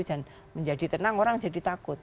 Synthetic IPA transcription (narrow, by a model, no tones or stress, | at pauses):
d͡ʒ̥an | məɲd͡ʒadit̪ənaŋoɾaŋd͡ʒadit̪akʊt̪̚